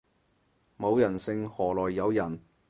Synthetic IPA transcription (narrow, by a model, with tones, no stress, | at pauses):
mo˨˧wjɐ˨˩nsɪ˧ŋhɔː˨˩lɔː˨˩jːɐ˨˧wjɐ˨˩n